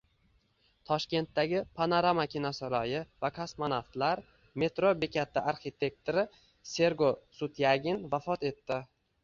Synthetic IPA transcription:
t̪ʰɒʃkʲe̞nt̪ːaɡʲɪpʰanoɾamakʲinasɒɾɒjɪvakʰasmanaft̪laɾ | me̞t̪ɾobekʲʰat̪ʰɪʔaɾχit̪ʰe̞k̚t̪ɾɪ | se̞ɾɡosʊt̪ʰjaɡʲɪnvafɒt̪e̞t̪ːɪ

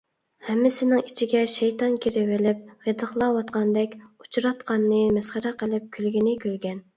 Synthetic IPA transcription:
hɛmːɪsɪnɪŋit͡ʃʰiɡʲɛʃɛjt̪ɑnkʲiɾɪwɪlɪp̚ʁed̪əχlˠɑwɑt̪̚qʰɑnd̪ɛkʲu̥t͡ʃɾɑt̪qɑnːɨmɛsχəɾæqəlˠɪp̚kʲʰylɡʲinɪkʲʰølɡʲɛn

